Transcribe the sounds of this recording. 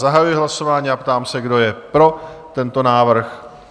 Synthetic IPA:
zaɦajujɪɦlaso̞vaːɲiːapt̪aːmsɛɡdo̞jɛpɾo̞t̪ɛnt̪o̞naːvr̩x

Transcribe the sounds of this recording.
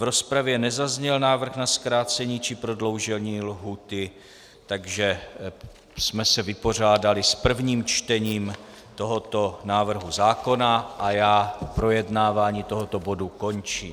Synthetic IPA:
vɾo̞spɾavjɛnɛzazɲɛlnaːvr̩xnaskɾaːt͡sɛɲiːt͡ʃɪpɾodlo̞wʒɛlɲiːlɦuːt̪ɪ | t̪aɡʒɛ | smɛsɛvɪpo̞r̝aːdalɪspr̩vɲiːmt͡ʃt̪ɛɲiːm | t̪o̞ɦo̞t̪o̞naːvr̩ɦuzaːko̞naʔajaːpɾo̞jɛdnaːvaːɲiːt̪o̞ɦo̞t̪o̞bo̞duko̞nt͡ʃḭːm

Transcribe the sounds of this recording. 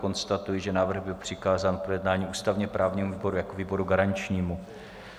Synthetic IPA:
ko̞nst̪at̪ujɪʒɛnaːvr̩ɣbɪlpr̥ɪkaːzaːnpɾojɛdnaːɲiːʔuːst̪avɲɛpɾaːvɲiːmuviːbo̞ɾujakoviːbo̞ɾuɡaɾaɲt͡ʃɲiːmu

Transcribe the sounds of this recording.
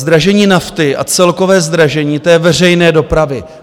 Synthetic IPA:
zd̪ɾaʒɛɲiːnaft̪ɪʔa̰t͡sɛlko̞vɛːzd̪ɾaʒɛɲiːt̪ɛːvɛr̝ɛjnɛːdo̞pɾavɪ

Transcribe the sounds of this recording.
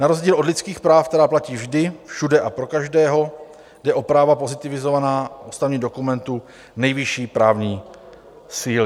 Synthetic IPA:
naɾozɟiːlo̞dlɪtt͡skiːxpɾaːfkt̪ɛɾaːplaciːvʒdɪfʃudɛʔapɾo̞kaʒdɛːɦo | dɛʔo̞pɾaːvapo̞zɪt̪ɪvɪzo̞vanaːust̪avɲiːdo̞kumɛnt̪u | nɛjvɪʃiːpɾaːvɲiː | siːlɪ

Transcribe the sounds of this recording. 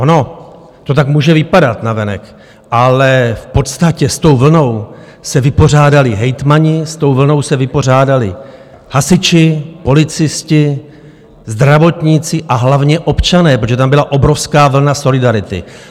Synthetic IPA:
ʔono̞ | t̪o̞t̪akmuːʒɛvɪpadat̪navɛnɛ̰k | ʔalɛfpo̞t̪st̪acɛst̪o̞wvl̩no̞w | sɛvɪpo̞r̝aːdalɪɦɛjt̪maɲɪst̪o̞wvl̩no̞wsɛvɪpo̞r̝aːdalɪ̰ | hasɪt͡ʃɪpo̞lɪt͡sɪscɪ | zd̪ɾavo̞t̪ɲit͡sɪʔaɦlavɲɛʔo̞pt͡ʃanɛːpɾot̪oʒɛt̪ambɪlaʔo̞bɾo̞fskaːvl̩naso̞lɪdaɾɪt̪ɪ̰

